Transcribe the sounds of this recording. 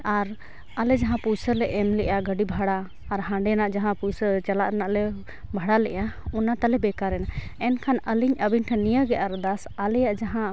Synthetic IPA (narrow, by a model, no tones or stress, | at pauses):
aɾ | alɛd͡ʒaɦãpujsəlɛʔɛmlɛʔaɡəɖibʱaɽaː | ɾɦãɳɖɛnaʔd͡ʒaɦãpujsət͡ʃalaʔɾnaʔlɛ | bʱaɽalɛʔaunat̪alɛbɛkaɾɛnaɛnkʰanəliɲəbiɲʈʰɛnijaɡɛʔaɾd̪asalɛjaʔd͡ʒaɦã